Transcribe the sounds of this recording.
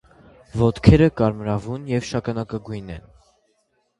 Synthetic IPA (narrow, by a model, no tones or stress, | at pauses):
vɔt̪kʰɛɾəkɑɾmɾɑvunjɛvʃɑkɑnɑkɑɡujnɛ̰n